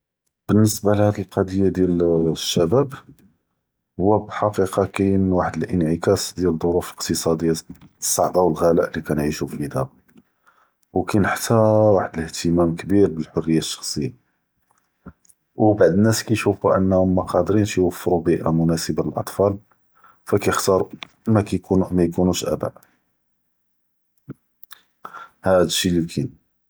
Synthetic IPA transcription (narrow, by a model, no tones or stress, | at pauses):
b̥ənːəsbalhæd̪əlqɑd̪əjːad̪jælʃːæbæb | hʊwːæbħɑqiqɑkæjnwaħəd̪əlʔənʕəkæsd̪jæld̪ˤoɾufləqt̪əsˤɑd̪əjːasˤːɑʕd̪ˤɑwəlɣælæʔlikænʕiʃufid̪æ | wkænəħt̪ʰæwaħəd̪ələht̪ʰəmæmkbiɾbəlħorːəjːaʃːɑ̥xsˤəjːa | wbaʕd̪ənːæskæjʃufuʔə̰nːhʊmːæqɑd̪ɾinʃjwəfːɾubiʔa̰mʊnæsəbaləlʔɑ̰t̪ˤfɑl | fækæjəxt̪ɑɾˤu | mækækumæjkunuʃʔæ̰bæ̰ʔ | hæd̪əʃilikʰin